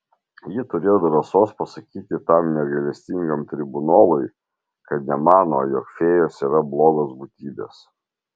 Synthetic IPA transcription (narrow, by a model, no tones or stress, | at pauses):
jɪt̪ʊɾʲeːjod̪ɾɐsoːspɐsɐkʲiːt̪ʲɪt̪ɐmnʲɛɡɐlʲɛsʲt̪ʲɪŋɡɐmt̪ʲɾʲɪbʊnoːlˠʊɪ | kɐt̪nʲɛmɑːnoːjɔkfʲeːjoːsiːɾɐblˠoːɡosbut̪ʲiːbʲḛs